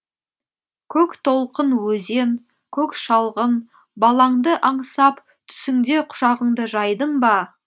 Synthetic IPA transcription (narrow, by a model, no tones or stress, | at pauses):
kʲʰɵkt̪ʰo̞lˠqənwɵze̞ŋ | kʲʰɵkʃɑlˠʁən | bɑlˠɑɴd̪əʔɑɴsɑp | t̪ʰʏ̥sɪŋd̪e̞qʰʊ̥ʒɑʁəɴd̪əʒɑjd̪əɴbɑ